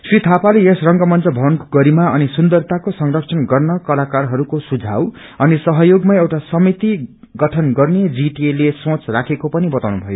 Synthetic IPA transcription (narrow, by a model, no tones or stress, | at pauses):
srit̪ʰapaleesrʌŋɡʌmʌnt͡sʌbʱʌnkɡʌɾimaʌnisund̪ʌrt̪akosʌŋrʌkt͡sʰʌnɡʌrnʌkʌlakarɦʌɾukosud͡zʱa̰w | ʌnisʌɦʌjoɡmaewʈasʌmit̪i | ɡʌʈʰʌnɡʌrned͡ziʈelesõt͡srakʰekopʌnibʌt̪awnubʱʌjo